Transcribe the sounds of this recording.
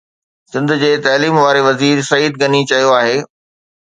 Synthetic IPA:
sɪ̃nd̪ʱʊ̆d͡ʑeːt̪ɐːliːmʋaːɾeʋɐziːɾsɐiːd̪̚ɡɐnit͡ɕɐjoaːɦeː

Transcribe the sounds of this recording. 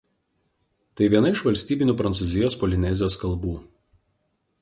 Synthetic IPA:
t̪ɐɪʋʲiɛnɐɪʃʋɐlʲsʲt̪ʲiːbʲɪnʲuːpɾɐnt̪suːzʲɪjoːspɔlʲɪnʲɛzʲɪjoːskɐlˠbuː

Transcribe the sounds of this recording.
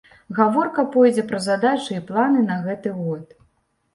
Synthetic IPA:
ɣavɔrkɐpɔjd͡zʲɛpɾɐzad̪at͡ʂɨiplˠanɨnɐɣɛt̪ɨɣɔt̪

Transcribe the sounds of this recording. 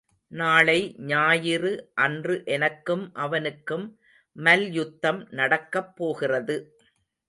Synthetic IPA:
naːɭɐɪɲaːjɪrɯʔɐndrɯʔɛnɐkːɯmʔɐʋɐnɯkːɯmː | ɐljʊt̪ːɐmnɐɽɐkːɐpːoːɣɪrɐðɯ

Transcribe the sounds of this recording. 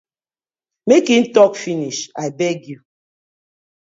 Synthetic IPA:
mekin̩tɔkfiniʃaɪbɛɡju

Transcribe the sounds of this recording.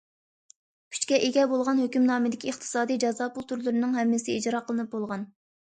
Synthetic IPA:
kʲʰy̥t͡ʃkʲɛʔeɡʲɛbolˠʁɑnhøkʲymnɑːmɨd̪ɪkʲʰieχt̪ʰɨ̥sɑːd̪ijd͡ʒɑzɑpulˠt̪ʰuɾlˠɨɾɨnɨŋɦɛmːɪsɪid͡ʒɾɑqʰəlˠɨnɨp̚bolˠʁɑn

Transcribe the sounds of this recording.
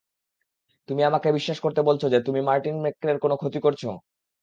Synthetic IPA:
t̪umiamakebiʃːaʃkoɾt̪ebolt͡ɕʰod͡ʑet̪umimaɾʈinmekːɾeɾkonokʰot̪ikoɾt͡ɕʰo̰

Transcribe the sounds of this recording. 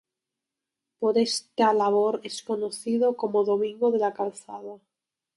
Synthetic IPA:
poɾest̪alaβ̞oɾeskonoθiðoko̞moðomĩŋɡoðe̞lakalθað̞a

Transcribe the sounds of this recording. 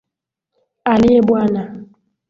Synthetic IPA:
aliebwana

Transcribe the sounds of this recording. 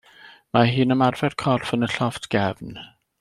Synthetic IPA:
maɦɨːnəmarvɛrkʰɔrfənəɬɔftʰɡ̥ɛvn

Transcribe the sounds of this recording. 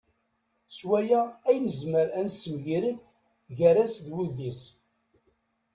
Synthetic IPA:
swæjææjnəzməɾænsːəmʝiɾəθ | ʝəɾæsðwuðis

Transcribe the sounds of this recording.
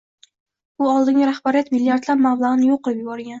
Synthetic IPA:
ʊɒlˠd̪ɪŋʲɡʲɪɾahbaɾijat̪milːijaɾt̪labmamlˠaʁɨnɪjoqːɨlɪpjʊbɒɾɡʲan

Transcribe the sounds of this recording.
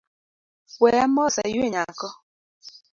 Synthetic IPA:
wɛjamɔsa̰jjweɲakɔ

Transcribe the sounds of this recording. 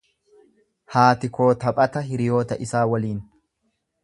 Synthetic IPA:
haːt̪ɪko̞ːt̪ɐpʼɐt̪ɐɦɪɾɪjo̞ːt̪ɐʔɪsaːwɐliːn

